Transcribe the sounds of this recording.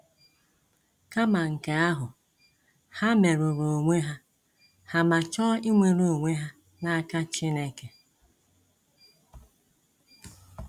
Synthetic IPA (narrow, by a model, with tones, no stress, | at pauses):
ka˦ma˨ŋ̩˨ka˨a˦ɦʊ˨ | ha˦me˨ɾʊ˨ɾo˨ŋʷe˦ɦa˦ | ha˨ma˨t͡ʃɔː˦i˦ŋʷe˨ɾo˨o˨ŋʷe˦ɦa˦ | na˦a˦ka˦t͡ʃi˦ne˦ke˨